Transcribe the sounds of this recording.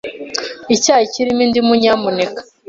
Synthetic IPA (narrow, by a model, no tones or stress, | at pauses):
icaːjiciɾimindimuɲamunekḁ